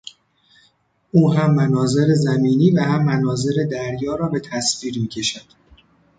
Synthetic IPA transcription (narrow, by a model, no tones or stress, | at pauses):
ʔuːɦæmːænɒːze̞ɾe̞zæmiːniːvæhæmːænɒːze̞ɾe̞d̪æɾjɒːɾɒːbe̞t̪ʰæsfiːɾmiːcʰe̞ʃæd̪̥